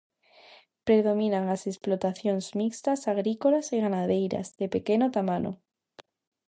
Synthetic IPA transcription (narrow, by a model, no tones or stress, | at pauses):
pɾe̞ð̞o̞mĩnaŋase̞splo̞t̪aθjo̞nzmikst̪asaɣɾiko̞lasiɣanaðejɾa̰zðe̞pe̞ke̞not̪amano̰